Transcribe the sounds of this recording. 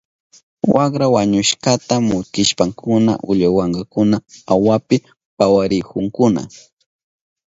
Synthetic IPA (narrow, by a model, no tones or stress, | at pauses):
wakɾawaɲʊʃkat̪amʊkɪʃpaŋkʰʊna̰ʔʊʎawaŋɢɑkʊnaawapɪ | pawaɾɪkʊŋkʊna̰